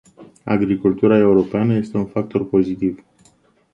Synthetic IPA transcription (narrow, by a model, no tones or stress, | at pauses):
a̰ɡɾikult̪uɾae̞uɾo̞peanəje̞st̪e̞unfak̚t̪o̞rpo̞zit̪iv